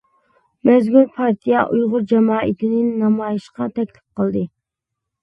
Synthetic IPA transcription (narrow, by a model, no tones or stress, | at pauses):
mɛzɡʲulpʰɑɾt̪ʰijɛʔujʁʊɾd͡ʒɛmɑːʔit̪ʰɪnɪnnɑmɑjiʃqɑt̪ʰɛkʲlɪ̥p̚qəlˠd̪ɨ